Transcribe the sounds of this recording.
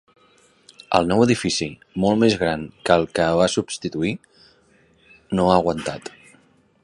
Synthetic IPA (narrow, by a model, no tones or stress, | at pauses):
ə̰lˠnɔwəðifisi | molˠmezɣɾaŋkəlˠkəβasubst̪it̪ui | noaɣwənt̪at̪